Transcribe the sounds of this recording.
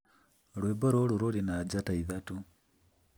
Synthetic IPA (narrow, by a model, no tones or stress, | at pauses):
lweːboɾoluɾolinad͡ʒataiðatu